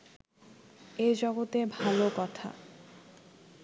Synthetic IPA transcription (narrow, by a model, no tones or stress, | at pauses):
ed͡ʑɔɡot̪ebʱalokɔt̪ʰa̰